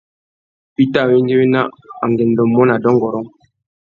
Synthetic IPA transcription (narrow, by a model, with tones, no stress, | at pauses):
pi˦ta˦˨wi˦ŋɡe˦we˦na˦a˨ŋɡɛ˨ndɔ˨mɔ˦na˨dɔ˦ŋ˨ɡɔ˨ɾɔ˦ŋ